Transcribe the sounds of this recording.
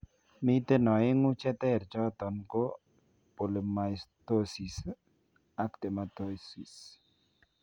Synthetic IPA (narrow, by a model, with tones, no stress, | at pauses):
mi˦t̪e˦nɔ˨ɪ˦ŋʊ˦t͡ʃɛ˦t̪ɛ˦˨ɾt͡ʃɔ˦t̪ɔ˨nko˦ | po˨le˨ma˨i˨sto˦si˨s | a˦kt̪e˨ma˨t̪o˦si˨s